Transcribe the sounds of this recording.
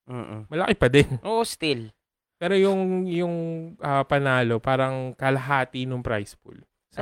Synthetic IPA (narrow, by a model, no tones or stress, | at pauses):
ʔoʔomɐlɐkɪpɐd̪ɛnʔoːʔost̪il | pɛːɾojʊŋjʊŋʔɐpɐnaːlo̞paːɾɐŋkɐlɐɦaːt̪inoŋpɾa̰jspṵl | sɐ